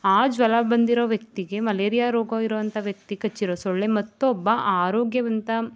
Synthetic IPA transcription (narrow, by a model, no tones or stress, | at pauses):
aːd͡ʒʋɐlɐbɐnd̪iɾoːʋjɐk̚t̪iɡe̞mɐleːɾijaːɾoːɡɐiɾoːʋɐnt̪ʰɐʋjɐk̚t̪ikɐt͡ʃːiɾoːsɔɭːemɐt̪ːuɔbːɐʔaːɾoːɡjɐʋɐnt̪ɐ